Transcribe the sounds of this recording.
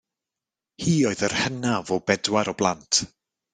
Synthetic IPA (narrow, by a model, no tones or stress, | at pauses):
hiːɔɨðərhənavɔbɛdwaɾɔblˠantʰ